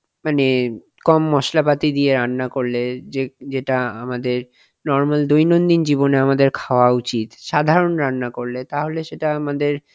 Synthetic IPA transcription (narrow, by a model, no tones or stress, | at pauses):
mane | kɔmːɔʃlapat̪id̪ieɾanːakoɾled͡ʑed͡ʑeʈaa̰mad̪eɾ | nɔɾmald̪ojnond̪ind͡ʑiboneamad̪eɾkʰaoaut͡ɕit̪ʃad̪ʱaɾonɾanːakoɾlet̪aɦoleʃeʈaamad̪eɾ